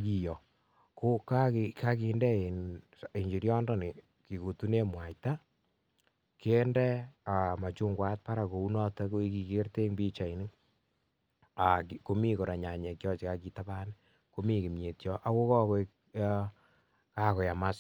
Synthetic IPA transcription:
ki˨jɔ˨ | ko˦ka˦kka˦ki˨ndɛ˦e˨n | e˨ɲd͡ʒi˨ɾjɔ˦ndɔ˦ni˨ | ki˨ko˨tu˦ne˦mwa˨jta˦ | ke˦ndɛ˦a˨ma˨t͡ʃu˦ŋɡwa˦t̚pa˦ɾa˨ko˨u˦nɔ˦tɛ˦ko˦i˦ki˨ke˦rte˦ŋbi˦t͡ʃa˨i˨nɪ˦ | a˨kko˦mi˦ko˨ɾa˨ɲa˨ɲɛ˨kjɔ˦t͡ʃi˨ka˦ki˨˦taba˦nɪ | ko˦mi˦ki˨mje˨tjɔ˦ʔa˦ko˦kɔ˦kɔ˦ | ka˦kɔ˨ja˨ma˦s

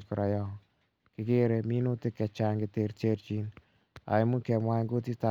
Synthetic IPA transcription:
kʊɾa˨jɔ˦ | kɪke˦ɾe˨mi˦no˦tɪ˦kːɛ˨t͡ʃaː˦ŋɡɪte˨ɾteɾt͡ʃi˦n | a̰˨jmu˦kɛ˨mwaː˦ŋɡo˦ti˦ta

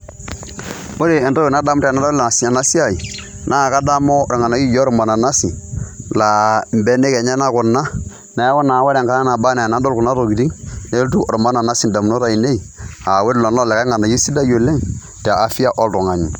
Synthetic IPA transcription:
o˦ɾe˨ɛ˨ndɔ˦e˨na˦da˦m˦tːna˦dla˨a˨si˨ɲa˨na˦si˦a˨i˨ | nʔa˦˨ka˦da˦mɔ˦ɾɛ˨ŋa˨na˨ji˦jɔ˦ɾɔ˨ma˨na˨na˦si˨la˨mbɛ˦ne˦kɛ˨ɲɛ˦na˦kʊ˨na˦ | na˨˦wɔ˦na˨˦wa˦ɾɛ˨ŋka˦a˦na˨ba˦na˨na˦ndo˦lku˨na˦ɾo˨ɡi˨di˦ne˦ltu˦ʔɾɔ˨ma˦na˨na˦si˨n˨da˨mno˦ɾa˦˨i˨ne˦i˨a˨we˦dlɔ˨n˦ɔ˦˨lɛ˨ka˦ŋa˨na˨ji˦si˦da˦jo˨lɛ˦ŋ | tɛ˨a˨fi˦a˦ʔɔ˦ltɔ˨ŋa˨ɲi˨

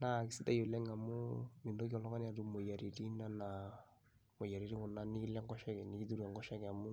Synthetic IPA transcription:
na˦˨kɪ˨si˦ta˦jo˨lɛ˦ŋa˨mʊ˦mi˨ndo˦ki˦ɔ˨lɔ˦ka˦n˦a˨tu˦mo˨ja˨ɾi˨ɾi˦na˦na˨ | mo˨ja˨ɾi˦ɾi˦kʊ˨na˦ni˦lɛ˦ŋɡɔ˦ʃɛ˦kɛ˨ni˨i˦tu˦ɾia˨ŋɡɔ˦ʃa˦kɛ˨a˨mu˦

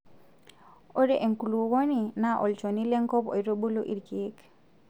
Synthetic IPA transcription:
o˦ɾe˦ʔe˨ŋku˨lu˨wo˦ni˨na˦ʔo˨lt͡ʃo˨ni˦le˦ŋkɔ˦po̰˨jɾo˦ɓo˦lo˦ʔi˨ɾki˨˦k

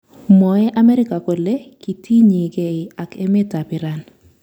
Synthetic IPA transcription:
mɔ˨ɛ˦ʔa˦mɛ˦ɾɪ˦ka˨ko˨le˦ki˨tʰi˦ɲi˨ɡe˨ɪ˨a˨kɛ˦me˦ta˨pɪ˨ɾa˨n

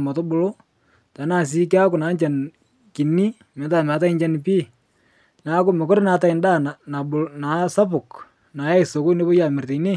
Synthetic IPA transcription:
ma˨to˦bʊ˨lo˦ | ta˨˦na˦˨s̬i˦ka˦kʊ˨na˨˦nt͡ʃa˨n | ki˨nːi˦ | mɛ˨ta˨mɛ˨a˨˦t̬a˦ɪnt͡ʃa˦npi˦ | na˨˦kʊ˨me˨ko˦ɾna˨ta˨ɪ˨nda˦˨na˨na˨bʊ˨na˨sa˦pʊ˨k | na˨ja˦ɪ˨so˨ko˦ne˦bo˦ja˨me˨rte˨ine˦

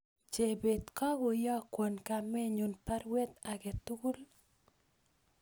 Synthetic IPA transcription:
t͡ʃe˨be˨t̪kɔ˦ɡʊ˨jɔ˦kwo˨nka˨mɛ˦ɲu˨npa˦ɾwe˦t̪a˨ɡe˨t̪u˦ɡu˦l

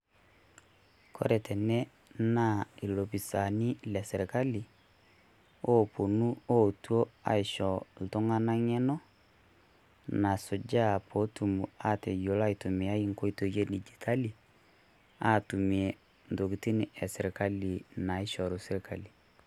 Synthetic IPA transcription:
kʰo̰˦ɾɛ˨tʰɛ˨nɛ˦ | na˦i˨lo˨pi˨sa˨ni˦lɛ˨sɛ˨ɾka˦li˨ | o˦po˨nu˦o˦tu˦o˦a̰˨ɪ˨ʃɔ˨l̩˨tʊ˦ŋa˦na˦ŋɛ˦nɔ˦ | na˨sʊ˨d͡ʒa˦pʰo˨˦tu˨mu˨a˦te˨jo˨la˦i˨tu˨mi˨a˦i˦ŋko˦i˦to˨je˦di˨d͡ʒi˨tʰa˦li˨ | a˦tu˨mi˨e˨ | n˨do˨ki˨ti˦ni˦ʔɛ˨sɛ˨ɾi˨ka˦li˨na˨i˦ʃɔ˨lu˨sɪ˦ɾka˨li˨

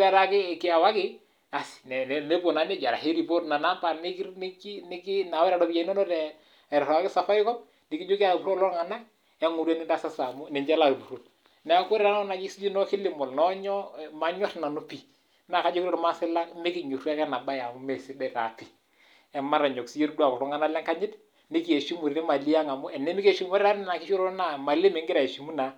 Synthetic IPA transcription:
a˦ɾa˦kɪ˦˨kɪ˦a˨wa˦kɪ˦ | a˨si̥˨nɛ˨ne˦bo˨na˨˦nɛ˦˨d͡ʒa˨ɾa̰˨he˦di˨bo˦ɾna˨na˦pa˨nɪ˦kn˦ki˦nɪ˦ki˦na˨wɛ˦ɾa˨dɔ˨bi˦ja˨i˦nɔ˦nɔ˦ɾɛ˨ | ɾa˨ɾa˦kɪ˦sa˨fa˦ɪ˦kɔ˦m | nɪ˨ki˦d͡ʒo˦ka˨bu˨ɾo˦lɔ˦ɾŋa˨na˦k | ɛ˦ŋu˨ɾe˦nɪ˦da˦sa˦sa˨mu˦nɛ˨ɲd͡ʒɛ˦la˦˨kbu˨ɾo˦˨l | nɛ˨a˨ko˦ɾa˦nɔ˦na˨d͡ʒɪ˦si˦d͡ʒi˦nɔ˦kɪ˦lɪ˨mɔ˨lnɔ˦ɲɔ˦˨ma˨ɲɔ˦tna˨nu˦pi˨ | na˨ka˦d͡ʒo˦kɾɔ˦ɾma˦sɪ˦la˦kmɪ˦kɪ˨ɲo˨ɾu˦a˦kɛ˦na˨ba˦ja˨mʊ˦mɛ˨si˦dɛ˨ɾa˨pi˨ | ɛ˨ma˦ɾa˨ɲɔ˨ksi˦d͡ʒe˦ɾdu˦a˨kɔ˨ɾɔ˦ŋa˦na˦la˦ŋka˦ɲɪ˦t | nɪ˦ki˨e˨ʃi˦mu˨ɾnɪ˦ma˨li˦a˦ŋa˨mʊ˦ɛ˨nɛ˦mi˦ke˨ʃi˦mɔ˦ɾɾa˦ɾnɪ˦na˨kɪ˦ʃo˦ɾo˦na˦˨ma˨lɪ˦mɛ˨ŋɡɪ˦ɾa˨e˨ʃi˨mu˦na˨

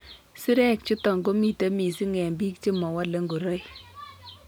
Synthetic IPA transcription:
si˦ɾɛ˦˨k̚t͡ʃu˦tɔ˨ŋɡo˦mi˨te˦mi˨si˦ŋɛ˨mbi˦k̚t͡ʃi˦mɔ˨wa˦le˨˦ŋɡo˨ɾo˦j

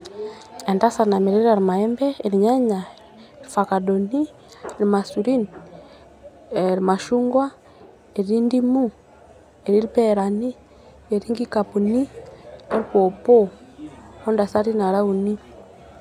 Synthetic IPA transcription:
ɛ˨nda˦sa˨na˨mi˨ɾiɾa˨ɾi˨ma˨ɛ˦mbɛ˦i˨ɾiɲaɲa˨ | eɾifa˨ka˨doni˦ | ɾima˨suɾi˦ni | ɾi˨ma˨ʃuŋɡwa˦ | e˨ii˦ndi˦mu˦ | eɾi˦ɾipɛɾa˨ni˦ | eɾi˦ŋɡi˦kapu˨ni˦e˦ɾiko˨pɔ˦ | ɔ˦nda˨sa˦ɾi˦na˨ɾa˦u˨ni˦

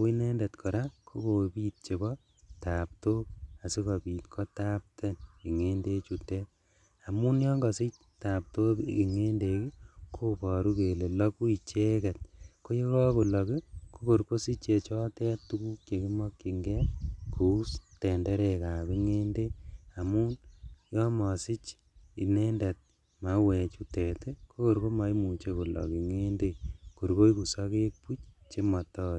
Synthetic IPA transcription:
wi˦ne˦nde˨tkʰo˨ɾa˦kʰo˦ko˨pi˦t̚t͡ʃe˨bɔ | ta˨p̚toa˨si˦kɔbi˨tkʰɔ˦ta˦p̚tʰɛ˦nki˨ŋe˦nde˦t͡ʃu˨te˦ | a˨mu˦njɔŋɡɔsi˦ | ta˨p̚to̰˦ki˨ŋe˦nde˨ki˦kʰo˦bɔ˨ɾu˦ke˨le˨lɔ˦ku˦i˨t͡ʃe˦kɛ˨t̚ko˦je˦kɔ˦ku˨lɔ˨ki˦ko˦ko˨ɾko˦si˦t͡ʃe˨t͡ʃɔ˦tɛ˦tu˦ku˦kje˨ki˦mɔ˦kːi˨ŋɡɛ˦kʰu˨˦stɛ˨nde˦ɾeka˨bi˦ŋe˦nde˦a˨mu˦njɔ˦mɔ˨si˦t͡ʃ | i˨ne˦nde˨t̚ | ma˨˦wɛ˨t͡ʃu˦te˨te˦ko˦ko˨ɾko˦ma˧˦i˦mu˨t͡ʃe˦ko˨lɔ̰˨ki˨ŋe˦nde˦ko˨ɾko˦iku˨sa˦ke˦k̚pu˦t͡ʃt͡ʃe˦mɔ˨tɔː˦

